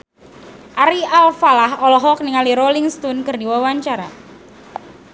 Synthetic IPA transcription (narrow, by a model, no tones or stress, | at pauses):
ʔaɾialfalahɔlɔɦɔk̚niŋaliɾoliŋst̪unkɨrdiwawaɲt͡ʃaɾa̰